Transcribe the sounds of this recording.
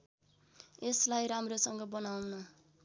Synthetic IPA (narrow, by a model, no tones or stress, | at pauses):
eslajɾamrosʌŋɡʌbʌnawnʌ